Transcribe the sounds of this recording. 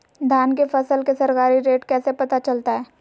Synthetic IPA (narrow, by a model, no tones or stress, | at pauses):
d̪ʱaːnkefɐsəlkesɐɾkaːɾiɾeːʈkɛːsepɐt̪at͡ʃɐlt̪aɦɛː